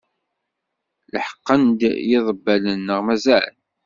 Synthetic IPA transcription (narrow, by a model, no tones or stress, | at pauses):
ləħə̥qːənd̪jɪðˤəbːælənːəʁmæzaʕə̰n